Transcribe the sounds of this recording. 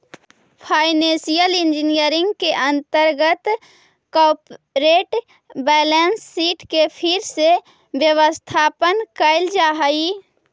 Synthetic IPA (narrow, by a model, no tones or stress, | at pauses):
pʰaːɪnẽsijəlɪ̃nd͡ʒinijəɾɪ̃ŋɡkeʔə̃nt̪əɾɡət̪ | kɔːpɾeːʈ | bɛːlensːiːʈkepʰɪɾse | bjəwəst̪ʰaːpənkəɪld͡ʒaːɦəi